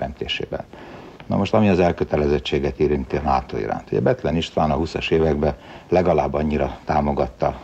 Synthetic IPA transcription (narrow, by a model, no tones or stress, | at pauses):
ɛnt̪eːʃḛːbɛ̰n | nɒ̰mo̞ʃt̪ɒmiɒzɛlkøt̪ɛlɛzɛt͡ʃːeːɡɛt̪iːɾint̪iɒnaːt̪oḭɾa̰ːnt̪huɟɛ̰bɛt̪lɛniʃt̪ʋaːnɒɦusɒʃeːvɛɡbɛlɛɡɒlaːbːɒɲːiɾɒt̪aːmo̞ɡɒt̪ːɒ